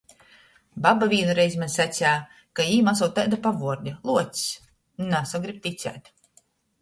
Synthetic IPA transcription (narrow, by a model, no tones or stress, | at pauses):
babavʲiːnuɾɛjzʲmanʲsat̪sʲæː | kaiːmas̬ɔwt̪ajd̪apavuɔɾd̪ʲalˠuɔt̪s | nasaɡɾip̚t̪it̪sʲæ̰ːt̪ʲ